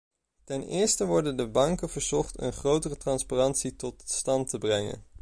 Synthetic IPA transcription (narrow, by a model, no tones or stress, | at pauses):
tɛnɪ̰ːɹstəʋɔɹdəndəbɑŋkənv̥əɹzɔχtə̰nχrowtərətrɑnsparɑntsitɔtstɑntəbrɛŋə̰n